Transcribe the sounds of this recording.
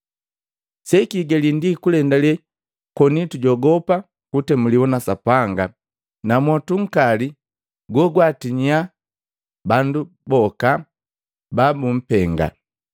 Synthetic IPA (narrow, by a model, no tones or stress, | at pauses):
sɛkiɡɛlindikulɛndalɛ | kɔnituɟɔɡɔpa | kutɛmuliwɔnasapaŋɡa | namwɔtuŋ̩kali | ɡɔɡwatiɲia | bandu | bɔka | babum̩pɛŋɡa̰